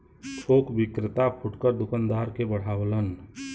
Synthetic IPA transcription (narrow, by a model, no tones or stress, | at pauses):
t͡ʃʰoːkbɪkɾɪt̪apʰʊʈkəɾd̪ʊkənd̪aːɾkebəɽ̤aːʋlən